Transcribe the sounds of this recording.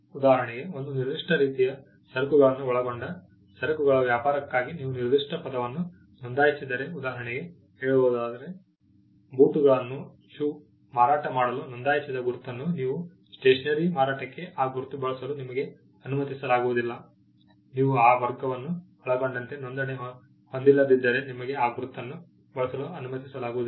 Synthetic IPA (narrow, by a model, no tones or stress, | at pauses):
ud̪aːɦɐɳɛɡe̞o̞nd̪uniɾd̪uʂʈʰɐɾiːt̪ijɐ | sɐɾkuɡɐɭɐnːuɔɭɐɡo̞ɳɖɐ | sɐɾɐkuɡɐɭɐʋjaːpaːɾɐkːaːɡiniːʋuniɾd̪uʂʈʰɐpɐd̪ɐʋɐnːu | nond̪aːjisid̪ɐɾe̞ud̪aːɦɐɳɛɡe̞ | ɦeːɭuboːd̪aːd̪ɐɾe̞ | buːʈuɡɐɭɐnːu | t͡ʃuː | maːɾaːʈɐmaːɽɐlunond̪aːjisid̪ɐɡuɾt̪ːɐnːuniːʋu | sʈeːʂɐnɐɾimaːɾaːʈɐkːe̞ʔaːɡuɾut̪ːubɐɭɐsɐlunimɐɡe̞ | ɐnumɐt̪isɐlaːɡuʋud̪ilːɐ | niːʋuaːʋɐɾɡɐʋɐnːu | ɐɭɐbɐɳɖɐnt̪e̞nond̪ɐneɦɐ | hond̪ilːɐd̪id̪ːɐɾe̞nimɐɡeaːɡuɾut̪ːɐnːu | bɐɭɐsɐluɐnumɐt̪isɐlaːɡuʋui